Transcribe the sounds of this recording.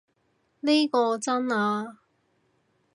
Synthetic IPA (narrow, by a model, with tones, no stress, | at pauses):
ne˥jkɔː˧t͡sɐ˥naː˧